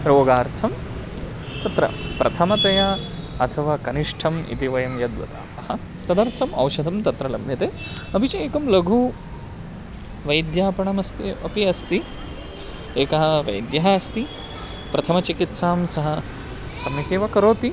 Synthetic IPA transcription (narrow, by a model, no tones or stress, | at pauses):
ɾoːɡaːɾt̪ʰɐm | t̪ɐt̪ɾɐ̰pɾʔɐt̪ʰɐmɐt̪ɐjaːɐt̪ʰɐʋaːkɐniʂʈʰɐmḭt̪iʋɐjɐmjɐd̪ʋɐ̰t̪a̰ːɐhɐ | t̪ɐd̪ɐɾt̪ʰɐmɐ̰wʃɐd̪ʱɐmt̪ɐt̪ɾɐlɐmnɐt̪eː | ɐbʱit͡ʃɐeːkɐmlɐɡʱuː | ʋɐjd̪jaːpɐɳɐmɐst̪iɐ̰piɐst̪i | eːkɐɦɐʋɐ̰jd̪jɐɦaɐst̪i | pɾɐt̪ʰɐmɐt͡ʃikit̪saːmsɐɦɐ | sɐmik̪eːʋɐkɐɾoːt̪i